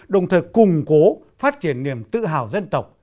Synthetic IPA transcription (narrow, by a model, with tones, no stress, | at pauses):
ɗə˨˩wŋ͡mt̪ʰəː˨˩jkʊ˨˩ŋ͡mko˨˦ | faː˦˥t̚t͡ɕi˧˩ənːi˧˩əmt̪ɨ̰˧˨ɦa̰ː˧˩wzə˧nt̪ə˨˩wk͡p̚